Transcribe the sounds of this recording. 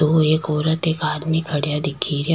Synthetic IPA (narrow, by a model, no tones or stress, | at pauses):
oːeːkɔːɾət̪eːkaːd̪mikʰɐɽijad̪ɪkʰːiːɾja